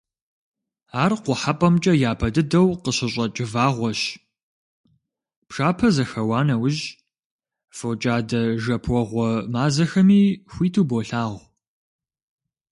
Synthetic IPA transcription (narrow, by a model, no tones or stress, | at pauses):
aːrqʷʊħapʼɐmt͡ʃʼɐjaːpʰɐdɨdɐwqəɕɪɕʼɐt͡ʃʼɪvaːʁʷɔɕ | pʂaːpʰɐzɐxɐwaːnɐwʊʒ | fot͡ʃʼaːdɐʒɐpʰʷɔʁʷɔmaːzɐxɐmiːxʷiːtʰuːboːɬaːʁʷ